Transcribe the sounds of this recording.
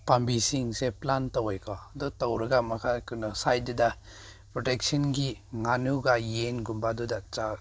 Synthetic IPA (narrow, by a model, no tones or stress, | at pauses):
pambisiŋseplantɔwejkʰɔdɔtawɾɐɡamakʰakunɔsajduda | pɾɔtek̚sɔnɡiŋanuɡajenɡumbadudat͡ʃa